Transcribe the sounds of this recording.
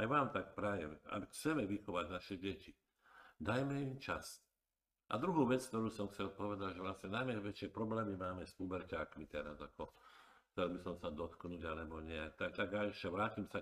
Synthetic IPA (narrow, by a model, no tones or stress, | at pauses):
ajʋaːmt̪ak̚pɾajɛma̰bxt͡sɛmɛʋixɔʋaɟnaʃɛɟɛci | d̪ajmɛimt͡ʃas | ʔa̰d̪ɾuɦuːʋɛt͡skt̪ɔɾuːsɔmxt͡sɛlpɔʋɛd̪aɟʒɛʋlasɲɛnajmɛʋɛt͡ʃɪɛpɾɔblɛːmimaːmɛsubɛɾcaːkmit̪ɛɾazakɔxt͡sɛlbisɔmsad̪ɔt̪knuɟalɛbɔɲɛat̪at̪aɡaʃɛʋɾaːcimsa